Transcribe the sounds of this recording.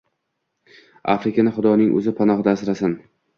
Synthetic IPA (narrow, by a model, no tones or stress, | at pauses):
a̰fɾɪkʲanɪχʊd̪ɒnɪŋʔɵ̰zɪpʰanɒhd̪asɪɾasɪn